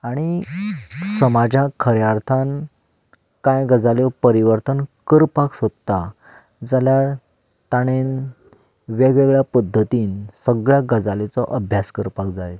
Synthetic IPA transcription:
aɽ̃i | səmad͡ʑjakʰəɾjaɾt̪ʰan | kãjɡəd͡zaljɔpəɾiʋəɾt̪ʰənkəɾpaksod̪t̪a | d͡zaljaɭ | t̪aɽ̃en | ʋeɡʋeɡɭjapəd̪ʱːət̪iːnsəɡɭjaɡəd͡zalet͡sɔʔəbʱjaskəɾpakd͡zaj̪

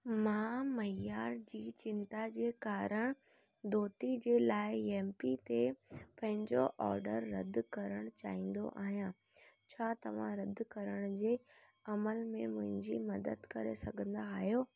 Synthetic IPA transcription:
mãːmɐjaːɾd͡ʑiːt͡ɕɪ̃nt̪ad͡ʑeːkaːɾəɽ̃ | d̪oːt̪id͡ʑeːlaːɪeːmpit̪epɐ̃ɦɪ̃ɲd͡ʑoʔɔːɾɖəɾːɐd̪ʱkɐɾəɽ̃t͡ɕaːĩːn̆d̪o̰ʔa̰ːɦijã | t͡ɕʰaːt̪ɐʋ̤ã̰ɾɐd̪ʱkɐɾəɽ̃ʊd͡ʑeː | ɐməlmẽmʊ̃ɦɪ̃ɲd͡ʑimɐd̪əd̪kɐɾḛsɐɡʱə̃nd̪aːɦijoː

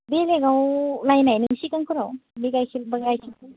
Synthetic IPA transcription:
beleɡawlajnajnɯŋsikaŋkʰɯɾawbiɡajkʰilbaɡajkʰilkɯ

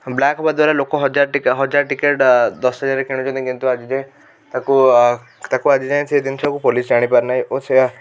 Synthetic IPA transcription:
blakʰɔbad̪waɾalokɔɦɔd͡ʒaɾʈikɦɔd͡ʒaɾʈikeʈd̪ɔsɦɔd͡ʒaɾekeɽ̃ud͡ʒɔd̪ĩkint̪uad͡ʒid͡ʒẽ | t̪aku | t̪akuad͡ʒid͡ʒajt͡ʃʰed̪int͡ʃʰɔakupolisd͡ʒaɽ̃ipaɾnaɦijʔot͡ʃʰea

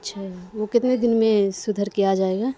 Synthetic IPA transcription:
ɐtːʃʰaɦɦʋokɪt̪ned̪ɪnmẽsʊd̪ʱəɾkijad͡ʒaːeːɡaː

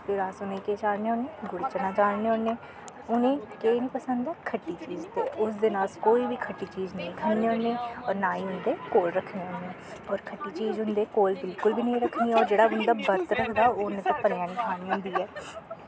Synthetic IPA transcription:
pʰɪɾaːsʊnẽːkeːt͡ʃaːɽneːɦonẽːɡʊɽt͡ʃənãːt͡ʃaːneːɦonːẽː | ʊnẽːkeːʋiːpəsənd̪ɛːkʰəʈːiːt͡ʃiːzt̪eːʊsd̪eːnaːskoːiːbiːkʰəʈːiːt͡ʃiːznəɦĩːkʰənːeːɦʊ̃neːɔːɾnaːĩːɦʊnd̪eːkoːlɾəkʰːneːɦʊnːeɛːɔːɾkʰəʈːiːt͡ʃiːzɦʊnd̪eːkoːlbɪlkʊlbiːnəĩːɾəkʰːniːɛɔːɾd͡ʒeːɽaːʊnd̪aːbəɾt̪ɾəkʰd̪aːoːʊnẽːt̪õpəɾjaːnĩːkʰaːniːɦʊ̃nd̪iːɛː

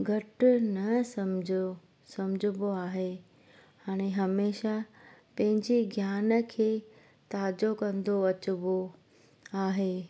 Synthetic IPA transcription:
ɡʱɐʈʊnɐsɐmd͡ʑʱo | sɐmɪd͡ʑʱʊboaːɦe | haːɽ̃eɦɐmeːʃapɐ̃ɦɪ̃ɲd͡ʑeɡʱjaːnə̆kʰeː | t̪aːd͡ʑokɐ̃nd̪oɐt͡ɕʊbo | aːɦeː

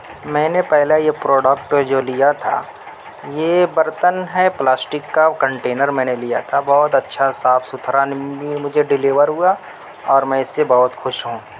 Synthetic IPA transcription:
mɛ̃ːnepɛɦlajepɾoːɖəkʈd͡ʒoːlijat̪ʰa̰ː | jebəɾt̪ənɦɛplaːsʈɪkːakə̃ɳʈeːnəɾmɛ̃ːnelijat̪ʰabɔɦʊt̪ɐtːʃʰasaːfʰsʊt̪ʰɾanimʊd͡ʒʱeɖɪleːʋəɾɦua | ɔːɾmɛ̃ɪsːebɔɦʊt̪xʊʃɦũː

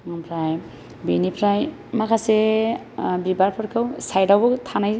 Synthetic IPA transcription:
ŋɔmpʰɾaj | binipʰɾaj | makʰase | bibaɾpʰɔɾkʰɯwsajdawbɔt̪ʰanaj

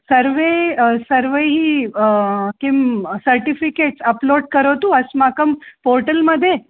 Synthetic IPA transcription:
səɾʋesəɾʋeɦi | kimsəɾʈifikeʈsɐploːɖ̚kəɾot̪ũɐsmakəmpoːɾʈəlməd̪ʱje

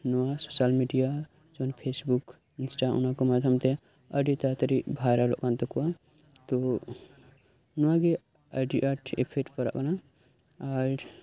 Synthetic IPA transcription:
nuwasosalmiɖija | d͡ʒonpʰesbuk | insʈaṵnãkomad̪ʱəmt̪e | əɖit̪at̪əɾibʱaɾalo̰ʔkant̪ɔkua | t̪o | nuwaɡe | aɖiʔaʈʰḛpʰeʈpəɾa̰ʔkna | aɾ

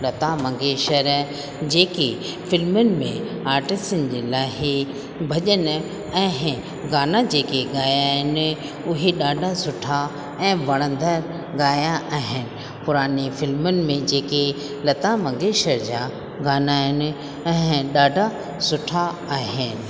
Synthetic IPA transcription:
lɐt̪amɐ̃ŋɡeːʃəɾ | d͡ʑeːke | fɪlmʊnɪ̆mḛ̃ | aːɾʈɪstənɪd͡ʑeːlaːɦi | bʱɐʄən | ɛ̃ɪ | ɡaːnad͡ʑeːkeɡaːjaːɦɪnɪ | ʊɦeɗaːɖʱasʊʈʰa | ɛ̃ːʋɐɽ̃ə̃nd̪əɾ | ɡaːjaʔaːɦɪnɪ̆ | pʊɾaːnifɪlmʊnɪ̆mẽd͡ʑeːke | lɐt̪amɐ̃ŋɡeːʃəɾd͡ʑaː | ɡaːnaːɦɪnɪ̆ | ɛ̃ːɗaːɖʱa | sʊʈʰa | aːɦɪnɪ̆

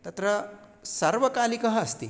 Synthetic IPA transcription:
t̪ɐt̪ɾə | sɐɾʋəkalikɐɦəːst̪ḭ

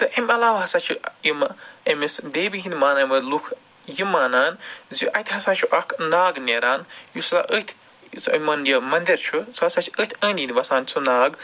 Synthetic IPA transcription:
t̪ɨʔɐmʲɐlaːʋɦɐsaːt͡ʃʰuimɐmisd̪eːbiɦĩnd̪ʲmaːnaːmɨlukʰ | jimːaːnaːnziʔɐt̪ʰʲɦɐsaːnt͡ʃʰuʔɐkʰnaːɡneːɾaːnjusa̰ʔət̪ʲʰ | sɐmɐnjɐmɐnd̪ʲiɾt͡ʃʰusasat͡ʃʰiət̪ʰʲəːnind̪ʲʋɐsaːnt͡sʰunaːɡ

